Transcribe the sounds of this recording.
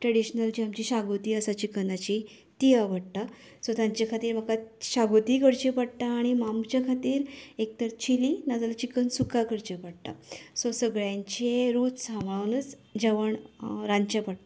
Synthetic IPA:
ʈɾəɽiɕnəld͡ʑiamt͡ɕiɕaɡot̪iːəsat͡ɕikənat͡ɕi | t̪ijaʋəɽt̪a | sot̪jãɲt͡ɕakʰat̪iːɾm̤əkaɕaɡot̪iːkəɽt͡ɕepəɽt̪aːɽ̃imamt͡ɕakʰat̪iːɾek̚t̪əɾt͡ɕʰilinad͡zalat͡ɕikənsukakəɽt͡ɕepəɽʈ̪a̰sosəɡɭjãɲt͡ɕeɾuːt͡ssãmɭaʋnət͡s | d͡ʑəʋəɳɾãɲt͡ɕepəɽt̪a

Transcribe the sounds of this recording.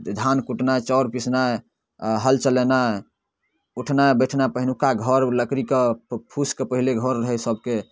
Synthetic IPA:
d̪ʱankuʈnat͡ʃɔɾpisna | ɦəlt͡ʃəlena | uʈʰnaebəʈʰnapəɦinukaɡʱəɾləkɾikepʰuskepəɦileɡʱɔɾːəɦɛsəb̚ke

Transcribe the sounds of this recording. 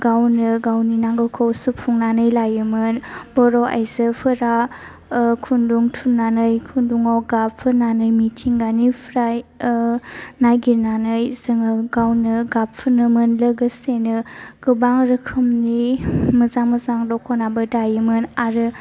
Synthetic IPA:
ɡawnɯɡawninaŋɡɯkʰowsupʰːuŋnanɯjlajɯmɯnbɔɾɔʔa̰jzɯpʰɯɾa | kʰunduŋtʰunanɯjkʰunduŋawɡapʰɯnanɯjmitʰiŋɡanipʰɾaj | najɡiɾnanɯjzɯŋɯɡawnɯɡapʰɯnɯmɯnləɡɯsenɯɡ̥ɯbaŋɾɯkʰɯmnimɯzaŋmɯzaŋdɔkʰɔnabɯdajɯmɯnaɾɯ

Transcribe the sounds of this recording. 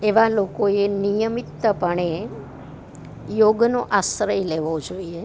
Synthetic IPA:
eʋalokoenijəmit̪ːəpəɳ̃e | joɡnoʔasɾəjleʋod͡ʒoie

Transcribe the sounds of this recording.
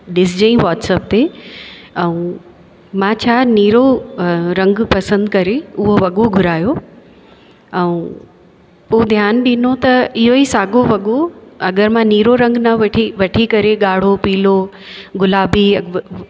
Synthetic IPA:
ɗɪs̬d͡ʑẽĩʋaːʈsəp̚t̪e | ɛ̃ũː | mãːt͡ɕʰaːniːɾoɾɐ̃ŋɡpɐsə̃nd̪kɐɾeʊɦoʋɐɠoɡʱʊɾaːjo | ɛ̃ũ | od̪ʱjaːnɗɪnot̪ɐɪɦoisaːɡoʋɐɠoɐɡəɾmãniːɾoɾɐ̃ŋɡnɐʋʈʰiʋɐʈʰikɐɾeɠaːɽ̤opiːlo | ɡʊlaːbiɐ

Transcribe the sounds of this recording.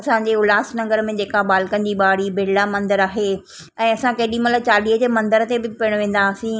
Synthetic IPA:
ɐsãɲd͡ʑeːʊlaːsnɐ̃ŋɡəɾmẽd͡ʑeːkaɓaːlkənɪd͡ʑiːɓaːɽibʱɪɽɪlamɐ̃nd̪əɾaːɦe | ɛ̃ːɐsãkɐɦɪɗĩmɐt̪ləbt͡ɕaːɗiːɦəd͡ʑeːmɐ̃nd̪əɾt̪ebɪpiəɽ̃ʋẽːn̆d̪aːsĩ

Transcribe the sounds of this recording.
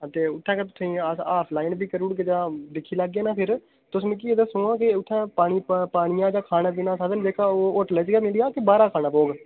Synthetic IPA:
t̪eːʊt̪ʰːɛ̃ːket̪̬ʊ̥sʰẽːaːpʰlaːɪnbiːkəɾuːɽked͡ʒãːd̪ɪkʰːiːlaːɡːeːnaːpʰɪɾ | t̪ʊsmẽːk̬ied̪əːsʊːãːkɪʊt̪ʰːɛ̃ːpaːñiːpaːɳɪjãːd͡ʒãːkʰaːnãːbinãːsad̪ənd͡ʒeːkaːoːʊʈlɛt͡ʃɡaːmɪlɪjaːkɪbaːɾaːkʰaːnaːpoːɡ

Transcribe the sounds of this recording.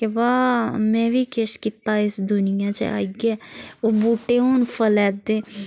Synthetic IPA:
keʋaːmɛ̃ːʋiːkeʃkiːt̪aːɪsd̪ʊnɪjãːt͡ʃə̰a̰ːiɡɛːoːbuːʈeːoːnpʰəlɛːd̪eː

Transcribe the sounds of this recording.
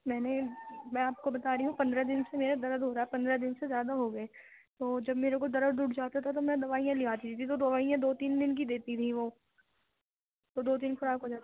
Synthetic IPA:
mɛːnemɛ̃aːp̚kobɐt̪aːɾiɦũpɐ̃nd̪ɾad̪ɪnsemeːɾad̪ɐɾəd̪ɦoːɾaːɛpɐ̃nd̪ɾad̪ɪnsezjaːd̪aɦoːɡɐeː | t̪oːd͡ʒɐbmeːɾekod̪ɐɾəd̪uʈʰd͡ʒaːt̪at̪ʰat̪̬omɛ̃d̪ɐʋaːijãlɪaːt̪it̪ʰit̪ʰit̪od̪ɐʋaːijãd̪oːt̪iːnd̪ɪnk̬id̪eːt̪it̪ʰiʋoː | t̪od̪oːt̪̬iːnfɐɾaːkod͡ʒaːt̪

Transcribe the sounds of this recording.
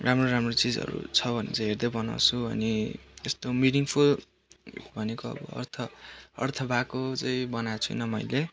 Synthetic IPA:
ramroɾamrot͡sid͡zʌ̰ɾṵt͡sʰʌbʱʌnḛt͡saĩɦerd̪ʌjbʌna̰wt͡sʰuʌ̰niest̪ominiŋpʰul | bʱʌnekoʌ̰bʌ̰ːrt̪ʰʌ̰ːrt̪ʰʌbʱakot͡saĩbʌnat͡sʰujnʌmʌjle

